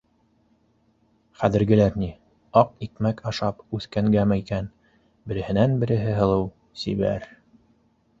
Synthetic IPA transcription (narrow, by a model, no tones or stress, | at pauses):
χæðɘ̆ɾɡɘ̆læɾni | ɑq̚ikmækɑʃɑpʉθkæŋɡæmæikæn | bɘ̆ɾɘ̆hɘ̆nænbɘ̆ɾɘ̆ɦɘɦɤ̆lˠɤw | sḭβæ̰ɾ